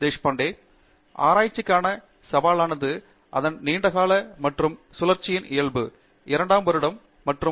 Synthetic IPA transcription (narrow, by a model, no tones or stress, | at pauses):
d̪eːʂpɐːɳɖeː | a̰ːɾaːjɪt͡ʃːɪkːaːnɐ | sɐʋaːlaːnɐðɯ | ʔɐðɐnniːɳɖɐɣaːlɐmɐʈrɯmsʊlɐɾt͡ʃɪjɪnʔɪjɐɭbɯ | ɪɾɐɳɖaːmbɐɾɯɽɐmː | ɐʈrɯ